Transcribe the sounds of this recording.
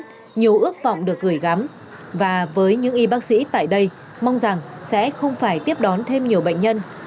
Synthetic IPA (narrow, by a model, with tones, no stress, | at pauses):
ɲi˨˩əwʔɨ˦˥ək̚vɔ̰˧˨wŋ͡mɗɨ˨˩ək̚ɣɨ˧˩jɣa˨˦m | vaː˨˩vəː˨˦jɲɨ̰˧˥ŋʔi˧ɓaː˦˥k̚sḭ˧˥t̪a̰ː˧˨jɗə˧j | ma˧wŋ͡mza˨˩ŋsɛ̰˧˥xə˧wŋ͡mfaː˧˩jt̪i˦˥əp̚ɗɔ˨˦nt̪ʰe˧mɲi˨˩əwɓə̰˧˨jŋ̟ɲə˧n